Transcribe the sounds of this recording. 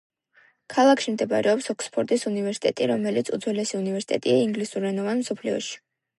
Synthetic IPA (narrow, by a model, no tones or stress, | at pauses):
kʰalˠakʰʃimd̪ɛbɾɛɔpsɔkspʰɔɾt̪ʼisunivɛɾsi̥t̪ʼɛt̪ʼiɾɔmɛlit̪sʰṵd̪zwɛlɛsiunivɛɾsi̥t̪ʼɛt̪ʼiaiŋɡlisuɾːɛnɔvanmsɔpʰliɔ̰ʃi̥